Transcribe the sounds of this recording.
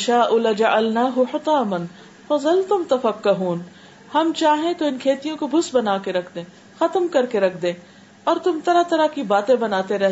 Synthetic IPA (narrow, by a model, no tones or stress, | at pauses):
ʃaːʔʊlɐd͡ʒɐʔɐlnaːɦʊħɪt̪aːmɐn | fɐzɐlt̪ʊmt̪ɐfɐkːɐɦuːn | hɐmt͡ʃaːɦẽt̪oɪnkʰeːt̪ijõkobʱʊsbɐnaːkeɾɐkʰd̪ẽː | xɐt̪əmkɐɾkeɾɐkʰd̪ẽː | ɔːɾt̪ʊmt̪ɐɾat̪ɐɾakibaːt̪ẽbɐnaːt̪eɾɛɦ